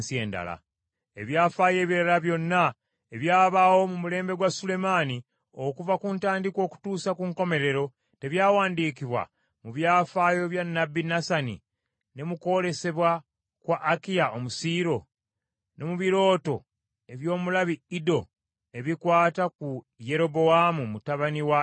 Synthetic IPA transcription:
sie̞ːnda̰la̰ | e̞βjaːfaːje̞ːβiɾalaβjo̞nːa | e̞βjaːβawo̞mumule̞ːmbe̞ɡwasule̞maːni | o̞kuvakuntaːndikwo̞ːku̥tuːsakuŋko̞me̞ɾe̞ɾo̞ | te̞βjaːwaːndiːkiβwa̰ | muβjaːfaːjo̞βjanːabːinasanḭ | ne̞muko̞ɾe̞se̞βwa | kwaʔːkijaʔo̞musiːɾo̞ | no̞muβiɾo̞ːto̞ | e̞βjo̞ːmulaβiido̞ | e̞βikwaːtaku | je̞ɾo̞bo̞amumutaβaniwa

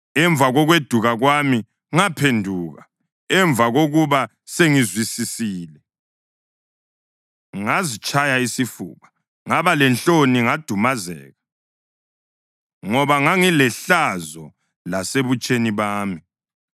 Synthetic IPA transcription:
ɛɱvʱaɣɔɣwed̥ʱuɣaɣwami | ŋapʰendʱuːɣa | ɛɱvaɣoɣuβa | seŋizwisisiːlɛ | ŋazit͡ʃʼajaisifṵːɣa | ŋaβalɛnt͡ɬoniŋad̥ʱumazɛ̰ːɣa | ŋɔβaŋaŋilɛɬazɔ | laseβut͡ʃʼeniβaːmi

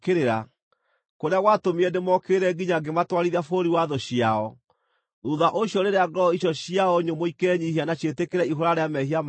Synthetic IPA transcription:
keɾeɾa | koɾeaɣwatomiɛnemɔkeːɾɛɡiɲaɡematwaɾiɾafoɾiwaðɔɕiaɔ | nuðaʔoɕjɔɾeɾeaɡɔiɔɕiaɔɲomoikeɛɲiɦianaɕetekeɾɛiɦoɾaɾeamɛɦiam

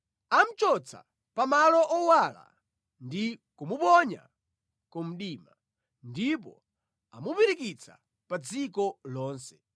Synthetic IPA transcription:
am̩t͡ʃɔt͡sʰa̰ | pamalɔʔɔwala̰ | ndikumupɔɲa̰ | kum̩ɗiːma | ndip̬ɔ | amupiɾikit͡sʰa | pad͡zikɔlɔːnsɛ̥

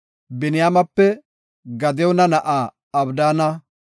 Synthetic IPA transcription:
bɪnɪjaːmɐpːɛ | ɡɐd̪ɛɔnɐnɐʔaː | ɐbd̪aːnɐ

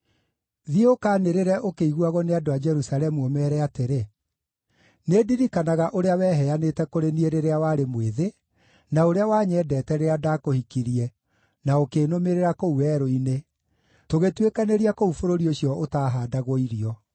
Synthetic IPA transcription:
ðiokaːneɾeɾɛʔokeiɣwaɣɔneadoad͡ʒɛɾusaɾɛmuomɛɾɛateɾe | nediɾikanaɣaʔoɾeawɛːɦɛanetɛkoɾenieɾeɾeawaɾemweðe | naoɾeawaːɲɛːdɛtɛɾeadakohikiɾiɛ | naokeːnomeɾeɾakouwɛːɾoine | toɣetwekaneɾiakoufoɾoɾioɕjɔotaːɦaːdaɣɔiɾiɔ

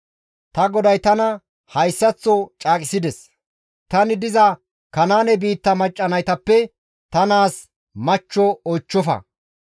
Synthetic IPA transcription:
t̪ɐɡɔd̪ɐjt̪ɐnɐ | hɐjsːɐt͡sːɔt͡ʃʼaːkʼɪsɪd̪ɛs | t̪ɐnɪd̪ɪzɐ | kɐnaːnɛbiːt̪ːɐmɐt͡ʃʼːɐnɐjt̪ɐpːɛ | t̪ɐnaːs | mɐt͡ʃːɔɔjt͡ʃːɔfɐ̰

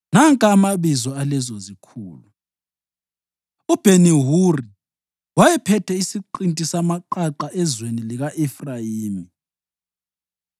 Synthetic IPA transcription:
naŋkʼamaβizɔalɛzɔzikʰuːlu | ub̥ʱeniɦuri | wajɛpʰɛtʰɛisiǃintʼisamaǃaǃaʔɛzweniliɣaʔɛfrajiːmi

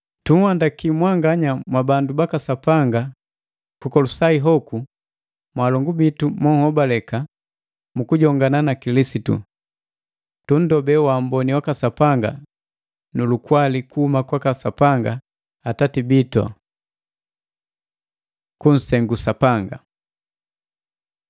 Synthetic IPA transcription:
tuŋ̩wandakimwaŋɡaɲamwabandubakasapaŋɡa | kukɔlusaiɦɔku | mwalɔŋɡubitumɔhɔbalɛka | mukuɟɔŋɡananakilisitṵ | tun̩dɔbɛwam̩bɔniwakasapaŋɡa | nulukwalikuhumakwakasapaŋɡaː | tatibitɔ̰ | kun̩sɛŋɡusapaŋɡa̰

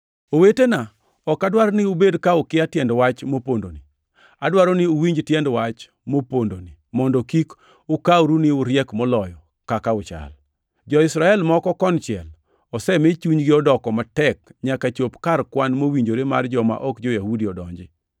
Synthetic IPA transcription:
owetena | ɔkadwaɾnɪʊbedkaʊkɪatjɛndwat͡ʃmopondoni | adwaɾɔnɪuwiɲd͡ʒtjɛndwat͡ʃ | mopondonimɔndɔkik | ʊkauɾunɪʊɾjɛkmɔlɔjɔ | kakaʊt͡ʃa̰l | d͡ʒɔɪsɾaɛlmɔkɔkɔnt͡ʃɪɛ̰l | ɔsɛmet͡ʃuɲɡɪɔdɔkɔmatɛkɲakat͡ʃopkaɾkwanmowiɲd͡ʒoɾema̰rd͡ʒɔma̰ʔɔkd͡ʒɔjahudiɔdɔɲd͡ʒɪ

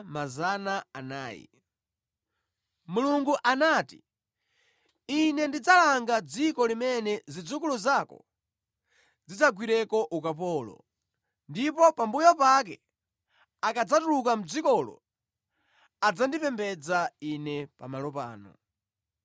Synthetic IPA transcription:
mazanaana̰ːjḭ | muluŋɡuʔanaːti | inɛndid͡zalaŋɡad͡zikɔlimɛnɛzid͡zukuluzakɔ̰ | d͡zid͡zaɡwiɾɛkɔʔukapɔːlɔ̰ | ndipɔpambujɔpak̬ɛ | akad͡zatulukam̩d͡zikɔlɔ̰ | ad͡zandipɛmbɛd͡zainɛpa̰malɔpa̰ːnɔ̰

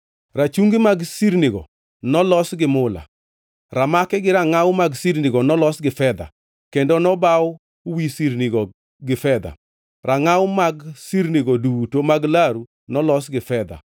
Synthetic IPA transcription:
ɾat͡ʃuŋɡimaɡsiɾnɪɡɔ̰ | nɔlɔsɡɪmʊla̰ | ɾamakɛɡɪɾaŋawmaɡsiɾnɪɡɔnɔlɔsɡɪfɛd̪a̰ | kendɔnɔbaʊ | wisiɾniɡɔ | ɡɪfɛd̪a̰ | ɾʔaŋawʊmaɡsiɾnɪɡɔdutomaɡlaɾu | nɔlɔsɡɪfɛd̪a̰

